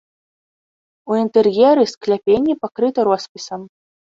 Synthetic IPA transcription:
uint̪ɛrjɛɾɨsklʲapʲenʲːɛpakɾɨt̪ɐɾɔspʲisɐm

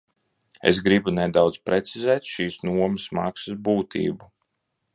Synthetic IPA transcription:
ḛsɡɾibunɛd̪awd̪zpɾet̪sizɛːt̪ʃiːsnuɔmɐsmaksɨsbuːt̪ʰḭːbu

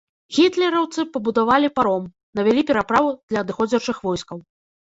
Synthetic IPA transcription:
ɣʲit̪lʲɛɾɐwt̪sɨpɐbud̪avalʲipaɾɔm | nɐvʲɛlʲipʲɛɾapɾavud̪lʲɐːd̪ɨxɔd͡zʲɐt͡ʂɨxvɔjskɐw

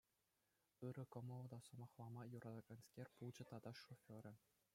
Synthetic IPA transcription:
ɯɾɘ̆kɤ̆mɤ̆lˠɤ̆d̪ɑsŏmɑχlˠɑmɑjuɾʔɑd̪ɑɡɑnskʲerʲpulˠd͡ʑɘ̆t̪ɑd̪ɑʂofʲoɾʲɘ̆

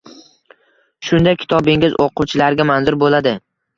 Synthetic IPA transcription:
ʃʊnd̪ajkʲʰɪ̥t̪ʰɒbɪŋɪzoqʰuwt͡ʃʰɪlaɾɡʲamanzʊɾbolad̪ɪ

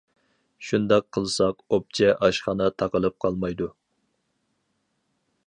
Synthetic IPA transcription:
ʃund̪ɑqʰːəlˠsɑqop̚t͡ʃʰɛʔɑʃχɑnɑt̪ʰɑqəlˠɨp̚qʰɑlˠmɑjd̪u

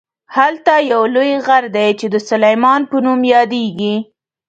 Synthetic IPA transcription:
halt̪ɑjawlojɣaɾd̪ajt͡ʃed̪əsʊlajmɑnpənumjɑd̪eɡi

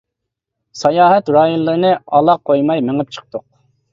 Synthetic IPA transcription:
sɑjɑːɦɛt̪ɾɑːjunlːˠɨɾɨnɨɑlˠɑq̚ʰːojmɑjmeŋɨp̚t͡ʃʰə̥q̚t̪ʰʊq̚

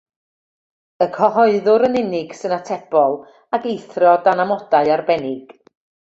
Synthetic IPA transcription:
əkʰɔɦɔɨðʊɾənɪnɪɡ̥sɨnatʰɛb̥ɔlˠ | akejθrɔdanamɔd̥aɨarbɛnɪɡ̥

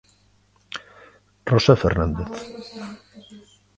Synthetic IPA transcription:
rosafeɾnand̪eθ

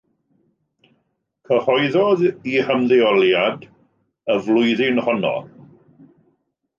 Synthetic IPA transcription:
kʰəhɔjðɔðihəmðɪɔlˠjad | əvlˠʊɨðɪnhɔnɔ̰

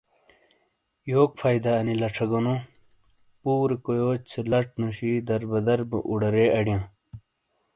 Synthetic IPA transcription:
joːkfaːjd̪ɐɐnilɐʈ͡ʂʰɐɡonõː | puːɾkojoːt͡sʰelɐʈ͡ʂnoɕid̪ɐɾbɐd̪ɐɾbɐ̰ʔuɽɐɾeːɐɽjãː

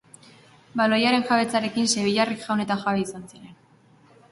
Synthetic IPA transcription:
balo̞jaɾe̞nxaβe̞t͡saɾe̞kinse̞βiʎarikʝawne̞t̪aʝaβeisansiɾe̞n

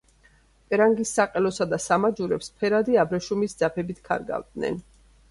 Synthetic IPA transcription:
pʼɛɾaŋɡisːaqʼɛlɔsad̪asamad͡ʒuɾɛpspʰɛɾad̪iabɾɛʃumisd̪zapʰɛbit̪ʰkʰa̰ɾɡa̰vd̪nɛ̰n

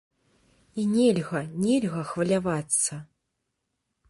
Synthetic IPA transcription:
inʲɛlʲɣɐnʲɛlʲɣɐxvɐlʲavat̪sːɐ

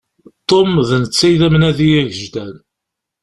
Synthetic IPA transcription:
t̪ˤːomðnət͡sːæjðæmnæðijæʝəʒd̪æn

